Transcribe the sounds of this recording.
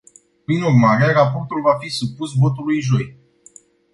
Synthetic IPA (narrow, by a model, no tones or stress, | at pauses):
pɾinurmaɾeɾapo̞rt̪ulvafisupusvo̞t̪ulujʒo̞j